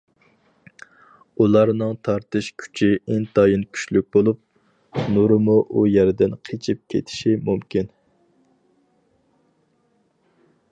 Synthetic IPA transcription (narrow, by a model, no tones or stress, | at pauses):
ulˠɑɾnɨŋt̪ʰɑɾt̪ɨʃkʲʰy̥t͡ʃʰiɪnt̪ʰɑjinkʲʰy̥ʃlyk̚ʲbolˠup̚ | nuɾɨmuʔujæɾɪd̪ɪnqʰet͡ʃʰip̚kʲʰḛt̪ʰɪ̥ʃimumkʲin